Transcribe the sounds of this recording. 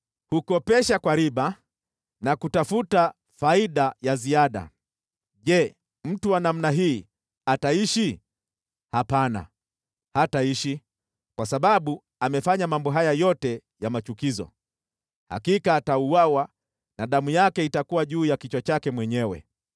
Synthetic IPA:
hukɔpɛʃakwaɾiɓa | nakutafuta | faiɗajaziaɗa̰ | ʄɛ | m̩tuwanam̩naɦiː | ataiʃi | hapana̰ | hataiʃi | kwasaɓaɓu | amɛfaɲamambɔɦajajɔtɛjamat͡ʃukizɔ̰ | ha̰kikaːtauwawa | naɗamujakɛitakuwaʄuːjakit͡ʃwat͡ʃakɛmwɛɲɛwɛ̰

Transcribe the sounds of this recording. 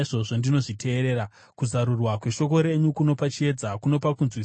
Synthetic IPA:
ʐo̞ʐo̞ndino̞ʐitʰe̞ːɾe̞ːɾa | kuzaɾurwakwe̞ʃo̞ko̞ɾe̞ɲukuno̞pat͡ʃie̞d͡zakuno̞pakunzwi

